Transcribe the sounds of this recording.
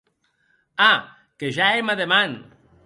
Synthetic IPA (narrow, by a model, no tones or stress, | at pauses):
a | keʒaemaðeman